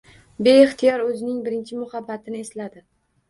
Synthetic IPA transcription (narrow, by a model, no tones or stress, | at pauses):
be̞ɪχt̪ʰɪjɒɾɵzɪnɪŋbɪɾɪnt͡ʃʰɪmʊhabːat̪ʰɪnɪe̞slad̪ɪ